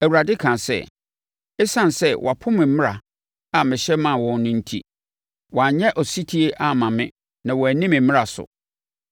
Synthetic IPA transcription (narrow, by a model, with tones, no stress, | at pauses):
æ˨wu˨ɾa˨dɪ˦kʰã˨sɛ̰˦˨ | ɛ˦sã˦n˨sɛ˦wʔɔ̰˨a˨pʰʊ̃˦mɪ̃˨˦mɪ̃˦ɾa̰˨ | a˨mɪ̃˨ɕɛ˦mã˨wɔ̃˨n˦nʊ̃˦n̩˦tʰḭ˦ | wɔ˨a˨ɲɛ̃˦ʔɔ˨si˦tʰi˦e˦ʔa˨mã˨mɪ̃˦ | nã˨wɔ˨æ˨nĩ˦mɪ̃˨mɪ̃˦ɾa˨sʊ̰˨